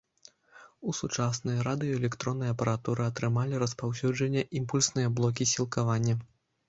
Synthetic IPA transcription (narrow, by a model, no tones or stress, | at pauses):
usut͡ʂasnɐjɐɾad̪ɨjɔɛlʲɛkt̪ɾɔnːɨjɐpɐɾat̪uɾɨɐt̪ɾɨmalʲiɾɐspawsʲud͡ʐɐnʲːɐʔimpulʲsnɨjɐblˠɔk̬ʲisʲilˠkavanʲːɐ